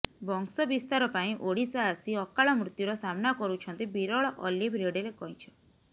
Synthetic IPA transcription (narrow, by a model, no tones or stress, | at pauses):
bɔŋksɔbist̪aɾɔpaĩʔoɽisaːsiɔkaɭɔmɾut̪juɾɔsamnakɔɾut͡ʃʰɔnt̪ibiɾɔɭɔʔɔlibʱɾeɽeɾekɔĩt͡ʃʰɔ̥